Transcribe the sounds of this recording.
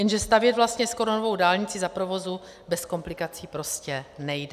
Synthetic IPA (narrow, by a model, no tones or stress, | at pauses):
jɛnʒɛst̪avjɛt̪vlast̪ɲɛskoɾonovo̞wdaːlɲɪt͡sɪzapɾovo̞zu | bɛsko̞mplɪkat͡siːpɾo̞scɛnɛjdɛ